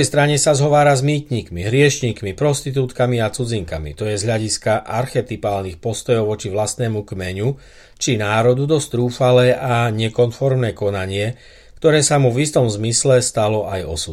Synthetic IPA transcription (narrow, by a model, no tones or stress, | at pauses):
ɛjst̪ɾaɲɛsazɦɔʋaːɾazmiːt̪ɲiːkmiɦɾɪɛʃɲiːkmipɾɔst̪it̪̬uːt̪kamiat͡sud͡ziŋkamḭt̪ɔjɛzɦʎaɟiskaʔaɾxɛt̪ipaːlnixpɔst̪ɔjɔʊʋɔt͡ʃiʋlast̪nɛːmukmɛɲu | t͡ʃinaːɾɔd̪ud̪ɔst̪ɾuːfalɛːʔaɲɛkɔnfɔɾmnɛːkɔnaɲɪɛ | kt̪ɔɾɛːsamuvist̪ɔmzmislɛst̪alɔajɔ̰su